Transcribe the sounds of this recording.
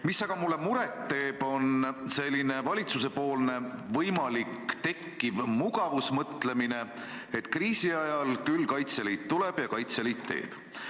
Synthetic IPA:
misːɑɡ̥ɑmulːe̞muɾet̪ːe̞ːb̥o̞nse̞lʲːine̞vɑlʲit̪suse̞po̞ːlne̞vɤjmɑlikːt̪e̞kːivmuɡ̥ɑvusmɤt̪le̞mine̞ | et̪ːˑkriːsiɑjɑlkylːkɑjt̪selit̪t̪ːuleb̥jɑkɑjt̪selit̪ːe̞̰ːb̥

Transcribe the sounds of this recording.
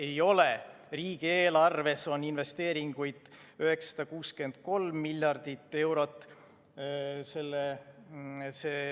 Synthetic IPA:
e̞jo̞le | riːɡ̥ieːlɑrve̞so̞ninve̞st̪e̞ːɾiŋɡ̥ujd̪̥ | yɦe̞kssɑ̥d̪̥ɑkuːske̞nd̪̥̚ko̞lmːilʲjɑrd̪̥it̪ˑːe̞wɾo̞t̪ːˑ | se̞lːe | seː

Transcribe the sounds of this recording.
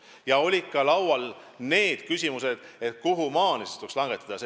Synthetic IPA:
jɑo̞lʲit̪kːɑlɑwwɑl | ne̞ːd̪̥kysʲimuse̞d̪̥et̪̚kuɦumɑːnisest̪ukslɑŋɡ̥et̪ːˑɑd̪̥ɑse

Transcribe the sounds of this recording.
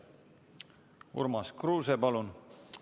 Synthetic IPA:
ṵɾmɑskruːsepɑlun

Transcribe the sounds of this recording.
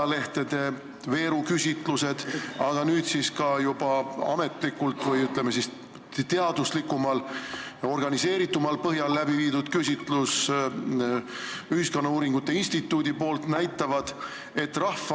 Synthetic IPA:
le̞ht̪e̞d̪̥e̞ | ve̞ːɾukysʲit̪ˑluse̞d̪̥ɑɡ̥ɑnyːd̪siskɑjub̥ɑɑ̰me̞t̪ˑlikːult̪ːˑvɤjyt̪lemːesis | t̪eɑd̪̥uslikːˑumɑlo̞rɡ̥ɑnise̞ːɾit̪ːˑumɑlpɤɦjɑlːæbiviːd̪ud̪̥kysʲit̪ˑlus | yhisko̞nːɑuːɾiŋɡ̥ut̪ːe̞insʲt̪it̪ːˑuːd̪ipo̞ːlt̪næjt̪ːˑɑvɑd̪̥ | e̞t̪ːrɑhfɑ

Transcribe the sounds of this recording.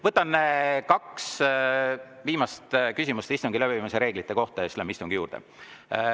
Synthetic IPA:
vɤt̪ːˑɑnkɑks | viːmɑst̪kysʲimust̪ist̪uŋɡ̥ilæbiviːmiseɾe̞ːɡ̥lit̪ːˑe̞ko̞ht̪ɑjɑslemist̪uŋɡ̥ijuːrd̪̥ḛ

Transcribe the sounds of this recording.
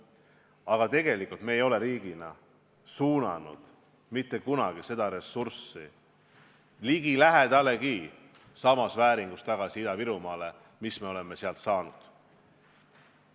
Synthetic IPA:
ɑɡ̥ɑt̪e̞ɡ̥e̞likːult̪meːjo̞le̞ɾiːɡ̥inɑ̰ | suːnɑ̰nṵd̪̥ | mit̪ːe̞kunɑɡ̥ise̞d̪̥ɑɾe̞sːursi | liɡilæɦet̪ɑlːe̞ki | sɑmɑsvæːɾiŋɡ̥ust̪ɑɡ̥ɑsiid̪ɑviɾumɑːle̞ | misme̞o̞le̞mːe̞seɑlt̪sɑːnṵd̪̥

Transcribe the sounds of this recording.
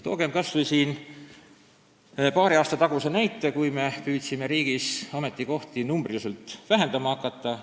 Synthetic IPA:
t̪o̞̰ːɡ̥e̞mkɑsvijsiːn | pɑːɾiɑːst̪ɑt̪ɑɡ̥usenæjt̪ːˑe̞kujme̞pyːt̪ʲsime̞ɾiːɡ̥isɑme̞t̪ˑːiko̞ht̪inumbrjuselt̪ːˑvæɦe̞nd̪̥ɑmɑhɑkːˑɑt̪ːˑɑ

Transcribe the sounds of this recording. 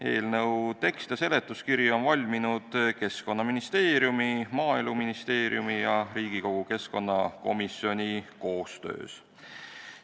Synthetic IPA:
e̞̰ːlnɤwt̪e̞kst̪jɑse̞le̞t̪ːˑuskiɾjo̞nvɑlʲminud̪̥ke̞sko̞nːɑminist̪e̞ːɾjumimɑːiluminist̪eːɾj̰umijɑɾiːɡ̥iko̞ɡ̥uke̞sko̞nːɑko̞̰misjo̞nʲiko̞ːst̪ø̞̰ːs

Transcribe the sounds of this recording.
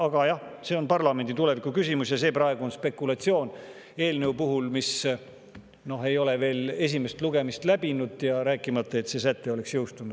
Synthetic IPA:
ɑɡ̥ɑjɑhse̞ːo̞npɑrlɑme̞nd̪it̪ule̞vikːukysʲimusjɑse̞ːprɑeɡ̥uo̞nspe̞kːˑulɑt̪sio̞ːn | e̞ːlneupuɦulmis | no̞ɦe̞jo̞le̞ve̞ːle̞s̬ʲime̞st̪luɡe̞mist̪læbinud̪̥jɑɾæːkːˑimɑt̪ːˑɑe̞t̪se̞ːs̬æt̪ːˑe̞o̞le̞ksjewst̪unud̪̥

